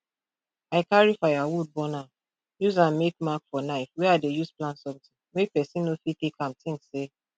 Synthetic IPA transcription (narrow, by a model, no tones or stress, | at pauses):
aɪklaɹifaɪawud̚bɔna | juzãmmekmakfɔnaɪfwɛadejuzplãnsɔ̃mtĩŋmepɛsĩnːofitekʰãmtĩŋsse